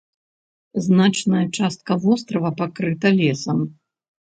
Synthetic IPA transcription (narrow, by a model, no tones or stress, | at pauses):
znat͡ʂnɐjɐt͡ʂast̪̚kɐvɔst̪ɾɐvɐpakɾɨt̪ɐlʲɛsɐm